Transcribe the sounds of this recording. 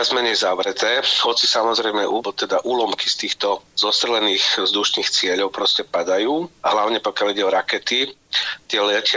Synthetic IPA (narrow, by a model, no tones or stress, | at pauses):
azmɛɲɛjzaʋɾɛt̪ɛːhɔt͡sisamɔzɾɛjmɛʔut̪ɛd̪aʔuːlɔmkist̪iːxt̪ɔzɔst̪ɾɛlɛniːxvzd̪uʃniːxt͡sɪɛʎɔʊpɾɔscɛpad̪ajuːaɦlaʊɲɛpɔkɪaliɟɛɔɾakɛt̪it̪ɪɛlɛcɪ